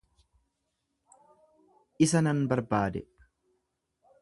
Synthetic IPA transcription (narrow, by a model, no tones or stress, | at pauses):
ʔɪsɐnɐnbɐɾbaːd̪ɛ